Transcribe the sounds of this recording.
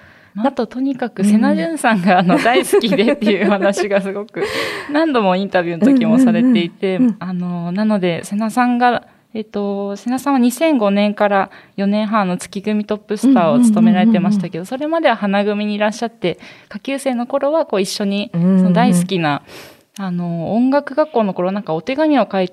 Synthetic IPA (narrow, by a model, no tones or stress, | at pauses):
maat̪o̞t̪o̞ɲ̟ikakɯ̟se̞naʑɨ̃ɰ̃sãŋɡaːno̞d̪aisɨ̥kʲid̪e̞t̪ːe̞jɯ̟ɸanaɕiɡasɨɡo̞kɯ̟nãnd̪o̞mo̞ĩnt̪abʲjɯnot̪o̞kʲimo̞saɾe̞t̪e̞it̪e̞ano̞nano̞d̪e̞se̞nasãŋɡa | et̪o̞se̞nasãβaɲ̟isẽ̞ŋɡo̞nẽ̞ŋkaɾajo̞nẽɰ̃ɦãnːo̞t͡sɨ̥kʲiɡɯ̟mʲit̪o̞pːɯ̟sɨ̥t̪aːo̞t͡sɨ̥t̪o̞me̞ɾaɾe̞t̪e̞maɕi̥t̪ake̞d̪o̞so̞ɾe̞mad̪e̞βahanaɡɯ̟mʲiɲ̟iːɾaɕːat̪ːe̞kakʲɨːse̞ːno̞ko̞ɾo̞βako̞ːiɕːo̞ɲ̟iso̞nod̪aisɨ̥kʲina | ano̞õŋɡakɯ̟ɡakːoːno̞ko̞ɾo̞anãŋkao̞t̪e̞ɡamʲio̞kait̪